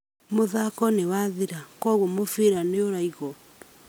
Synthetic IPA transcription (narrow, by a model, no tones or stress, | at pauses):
moðakɔnewaðiɾakɔɣomofeɾaneoɾaiɣɔ